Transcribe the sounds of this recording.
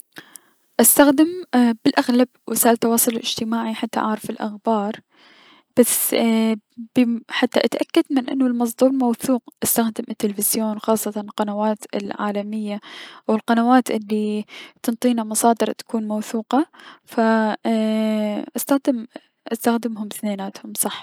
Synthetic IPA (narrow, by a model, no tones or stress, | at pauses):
ʔast̪axd̪ɪmbɪlʔaɣlab̚wʔɪsaːʔɪlt̪ɑwɑːsˤʊllɪ̰d͡ʒt̪ɪmaːʕiħat̪ːa̰ʕʔa̰ʕɾˤɑfɪlʔa̰xbɑːɾˤ | b̥as | b̥ɪħat̪ːaʔat̪aʔakːad̪mɪnʔɪ̰nːʊlmɑs̬ˤd̪ˤuːɾˤmawθuːqʔast̪axd̪ɪmʔɪt̪ːɪlɪfɪzjoːnwxɑːsˤːɑt̪ɑnlqɑnawaːt̪ɪlʕa̰ːlamɪjːaʔwɪlqɑnawaːt̪ʔɪlːit̪ɨnt̪ˤiːnamɑsˤɑːd̪ɨɾˤt̪ḁkuːnmawθuːqɑfa | ʔast̪axd̪ɪm | ʔast̪axd̪ɪmɦʊmθneːnaːt̪hʊmsˤɑħː